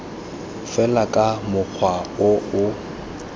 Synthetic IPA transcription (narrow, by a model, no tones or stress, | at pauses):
fɛlakʼamʊk͡xʰwaʊʊ